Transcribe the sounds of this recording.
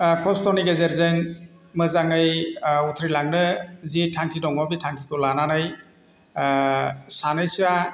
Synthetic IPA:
kʰɔstɔniɡezeɾzɯŋ | mɯzaŋɯjutʰɾilaŋnɯzitʰaŋkʰidɔŋɔbitʰaŋkʰikɔlananaj | sanɯjsa

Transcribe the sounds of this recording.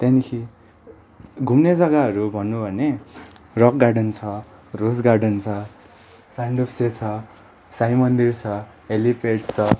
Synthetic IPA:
t̪janikʰi | ɡʱumned͡zʌɡaɦʌɾubʱʌnːubʱʌne | rʌkɡarɖʌnt͡sʰʌrosɡarɖʌnt͡sʰʌ | sanɖupset͡sʰʌ | sajmʌnd̪irt͡sʰʌ | ɦelipʰeʈt͡sʰʌ

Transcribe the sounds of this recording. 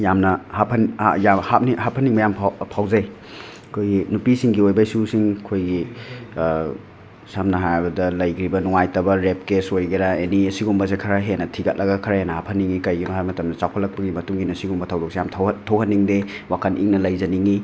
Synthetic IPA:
jamnɐhapʰɐna̰jamhap̚nihapʰɐniŋbɐjampʰpʰawzɐj | kʰojɡinupisiŋɡiojbajsusiŋkʰojɡi | samnɐɦajbɐdɐlɐjkɾibɐnuŋajtɐbɐɾep̚kesojɡɐɾaeniɐsiɡumbɐs̬ekʰɐɾaɦenɐtʰiɡɐt̚lɐɡɐkʰɐɾɐjenɐhapʰɐnːiŋikɐjɡimɦajmɐtɐmdɐt͡ʃawpʰɐtlɐk̚pɐɡimɐtuŋɡinɐsiɡumbɐtʰɐwdɔksejamtʰtʰɐwɦɐnːiŋde | wakʰɐnʔḭŋnɐlɐjzɐniŋi

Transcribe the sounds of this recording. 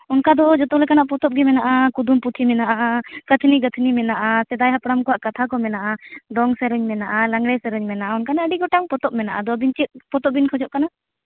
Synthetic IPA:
unkad̪ɔd͡ʒɔt̪ɔlɛkanaʔpɔt̪ɔp̚ɡɛmɛnaʔakud̪umput̪ʰimɛnaʔaʔakət̪ʰniɡət̪ʰnimɛnaʔasɛd̪ajɦapɽamkɔwaʔkat̪ʰakɔmɛnaʔad̪ɔŋsɛɾɔɲmɛnaʔalaŋɽɛsɛɾɔɲmɛnaʔaunkanaəɖiɡɔʈaŋpɔt̪ɔp̚mɛnaʔad̪ɔbint͡ʃit̪̚pɔt̪ɔbinkʰɔd͡ʒɔʔkana

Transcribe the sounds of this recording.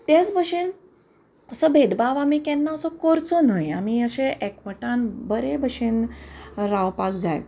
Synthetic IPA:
t̪jat͡sbʱəɕen | əsəbʱed̪baʋamikɛnːaəsəkoɾt͡sənəjamiəɕeʔekməʈanbəɾebəɕenɾaʋpakd͡zaj

